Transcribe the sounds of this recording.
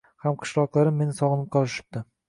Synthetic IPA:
hamqʰɨ̥ʃlˠɒqlˠaɾɪmːe̞nɪsɒʁɨnɪp̚qʰɒlˠɪʃɪ̥p̚d̪ɪ

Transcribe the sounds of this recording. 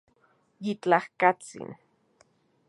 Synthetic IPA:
jit͡ɬahkat͡sḭn

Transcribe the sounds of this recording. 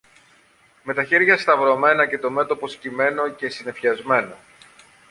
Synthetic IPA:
me̞t̪ɐçe̞ɾʝɐst̪ɐvɾo̞me̞nɐce̞t̪o̞me̞t̪o̞po̞scime̞no̞ce̞sine̞fçɐzme̞no

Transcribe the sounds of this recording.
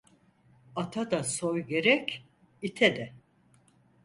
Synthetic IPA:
at̪ʰad̪asojɟe̞ɾɛc | it̪ʰɛd̪ɛ

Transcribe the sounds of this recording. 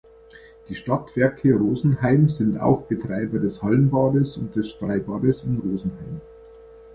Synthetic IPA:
d̥iːʃtatv̥ɛɐkʰəʁoːzn̩haɪmzɪnta̰ʊxb̥ətʁ̥aɪbɐdɛshalənbaːdəsʊnt̚d̥ɛsfʁaɪbaːdəsɪnʁoːzn̩haɪm

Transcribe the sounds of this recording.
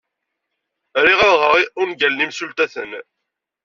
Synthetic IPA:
ɾiʁaɾʁəʁiʔʊnɡælnimsult̪æθə̰n

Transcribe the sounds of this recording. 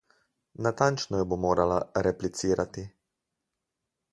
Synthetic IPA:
nat̪ant͡ʃnɔjɛbomoːɾalaɾɛplit̪siːɾat̪i

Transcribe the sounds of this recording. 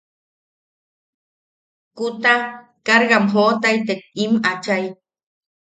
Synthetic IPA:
kut̪a | kaɾɣamɦot̪ajt̪ek̚imat͡ʃaj

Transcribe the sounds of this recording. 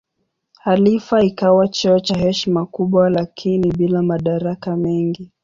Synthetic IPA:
halifaikawat͡ʃɔɔt͡ʃahɛʃimakuɓwalakʰiniɓilamaɗaɾakamɛŋɡi

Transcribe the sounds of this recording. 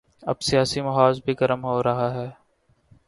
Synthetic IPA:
ɐ̰bsijaːsimɐɦaːzbʱiɡɐɾəmɦoːɾɐɦaɦɛː

